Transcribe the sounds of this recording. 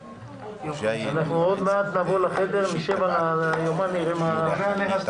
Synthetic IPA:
anaχnuod̪mead̪navolaχed̪eʁmiʃemalajomaniʁema

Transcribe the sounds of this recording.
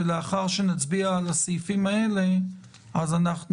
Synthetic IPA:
eleaχaʁʃenat͡sbiaːlasejfimaele | azanaχn

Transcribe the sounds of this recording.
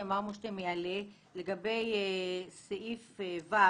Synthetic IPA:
amaʁmuʃt̪emejale | le̞ɡabe̞jseʔifva

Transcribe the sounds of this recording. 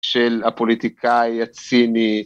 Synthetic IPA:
ʃelapolit̪ikʰajat͡sini

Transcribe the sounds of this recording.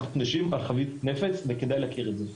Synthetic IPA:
t̪naʃimalχavit̪nefe̞t͡sveked̪ajleakiʁedze

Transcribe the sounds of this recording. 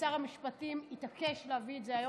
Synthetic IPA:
saʁhamiʃpatimit̪ake̞ʃleavietzeajo

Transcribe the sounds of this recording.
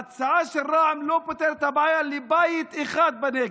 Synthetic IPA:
at͡saaʃelʁaamlopot̪eɾet̪habajalibajit̪eχad̪̚bane

